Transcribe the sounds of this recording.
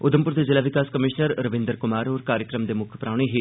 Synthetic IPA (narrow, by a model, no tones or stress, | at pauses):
ʊd̪əmpʊɾd̪ezɪlaːʋɪkaːskəmɪʃnəɾɾəʋɪ̃nd̪əɾkʊmaːɾɦoːɾkaːɾjəkɾəmd̪eːmʊkʰpɾaːʊɽ̃eɦiː